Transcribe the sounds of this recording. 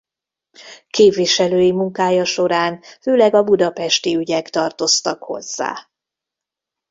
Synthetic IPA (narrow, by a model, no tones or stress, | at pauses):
keːpviʃɛløːjimuŋkaːjɒʃo̞ɾaːnføːlɛɡɒbud̪ɒpɛʃt̪iyɟɛkt̪ɒrt̪o̞st̪ɒkho̞̰zːa̰ː